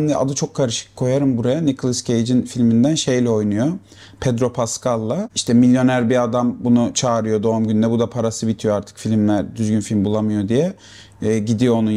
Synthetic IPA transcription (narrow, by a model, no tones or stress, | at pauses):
md̪ɛa̰d̪ɯt͡ʃʰo̞kʰːaɾɯʃɯ̥kʰːo̞jaɾɯmbuɾajanikʰlˠɯscʰejd͡ʒinfilʲmind̪ænʃe̞jlʲɛo̞jnujo̞ | pʰɛd̪ɾo̞pʰaskʰalˠːaiʃt̪ʰɛmilʲjo̞næɾbiad̪ambunut͡ʃʰaːɾɯjo̞d̪o̞umɟynd̪ɛbud̪apʰaɾasɯbit̪ʰijo̞aɾt̪ʰɯ̥kfilʲimlʲæɾd̪yzɟynfilʲmbulˠamɯjo̞d̪ijɛː | ɟid̪ijo̞onu